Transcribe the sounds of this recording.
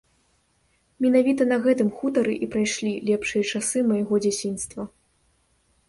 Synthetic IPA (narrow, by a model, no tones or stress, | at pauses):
mʲɛnavʲit̪ɐnɐɣɛt̪ɨmxut̪ɐɾɨʔipɾajʂlʲilʲɛpʂɨjɐt͡ʂasɨmɐjaɣɔd͡zʲat͡sʲinst̪vɐ